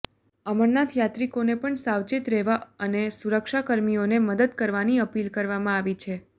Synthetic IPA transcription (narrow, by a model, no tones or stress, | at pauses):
əməɾnat̪ʰjat̪ɾikonepəɳsaʋt͡ʃit̪ɾɛʋaənesuɾəkʃakəɾmijoneməd̪əd̪kəɾʋaniəpilkəɾʋamãaʋit͡ʃʰe